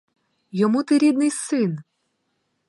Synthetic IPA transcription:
jɔmut̪ɪɾʲid̪nɪjsɪn

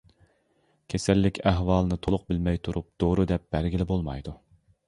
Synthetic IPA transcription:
kʲʰesælːɪkʲʰæɦwɑːlˠɨnɨt̪ʰolˠʊq̚bɪlmɛjt̪ʰuɾup̚d̪̥oɾud̪ɛp̚b̥æɾɡʲilɪbolˠmɑ̰jd̪u

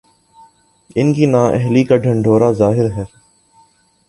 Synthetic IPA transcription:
ɪnkiːnaːʔɛ̰ɦliːkaːɖʱəɳɖʱoːɾaːzaːɦɪɾɦɛː

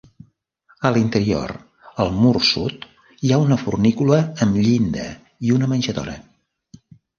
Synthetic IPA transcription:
əlint̪əɾio̰ɾ | əlˠmursut̪ | iaunəfṵrnikuləːmʎind̪ə̰ | iunəmənʲʒəðɔ̰ɾə̰

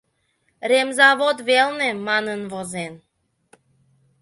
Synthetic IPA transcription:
ɾemzɑβod̪βelnemɑnənvozen

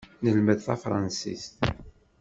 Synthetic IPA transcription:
nəlməðθæ̰fɾˤɑnsḭst̪

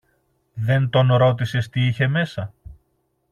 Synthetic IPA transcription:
ðe̞nt̪o̞nɾo̞t̪̬ise̞st̪iiçe̞me̞sɐ

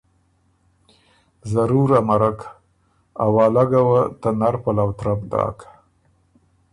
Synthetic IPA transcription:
zaɾuɾamaɾak | awɑːlaɡawat̪anaɾpalawt̪ɾab̚d̪ɑ̰ːkḁ

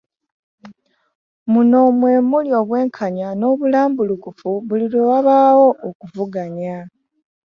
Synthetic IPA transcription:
muno̞mwe̞ːmuljo̞ːβwe̞ːŋkʰaɲano̞ːβulaːmbulukufuβuliɾuβaβaːwo̞ʔːkuvuɡaɲa

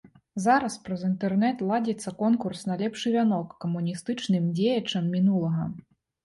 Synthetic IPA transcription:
zaɾɐspɾɐzint̪ɛrnɛt̪lˠad͡zʲɛt̪sːɐkɔnkursnɐlʲɛpʂɨvʲanɔkːɐmunʲist̪ɨt͡ʂnɨmd͡zʲejɐt͡ʂɐmːʲinulˠɐɣɐ̰

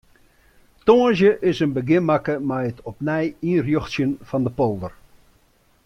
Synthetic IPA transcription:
toːəzjəʔɪsənbəɡɪnmakəmɛjətʰɔp̚nɛjinrjoxtsjənfɔndəpolˠdər

